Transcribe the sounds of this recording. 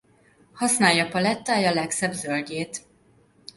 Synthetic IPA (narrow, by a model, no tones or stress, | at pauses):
hɒsnaːjːɒpɒlɛt̪ːaːjɒlɛksɛbzølɟeːt̪